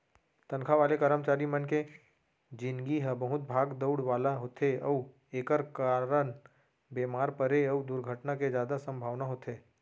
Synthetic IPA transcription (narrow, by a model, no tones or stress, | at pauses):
t̪ənkʰaʋaːlekəɾəmt͡ʃaːɾimənke | d͡ʒɪnɡiɦəbəɦʊt̪̚bʱaːɡd̪əʊɽʋaːlaɦoːt̪ʰeəu | eːkəɾkaːɾəɳ | beːmaːɾpəɾeəud̪ʊɾɡʱəʈnaked͡ʒjaːd̪asə̃mbʱaːʋnaɦoːt̪ʰeː